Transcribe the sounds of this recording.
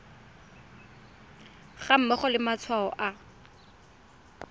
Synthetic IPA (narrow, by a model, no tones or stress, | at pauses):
χam̩mɛχɔlɪmat͡sʰwaɔʔa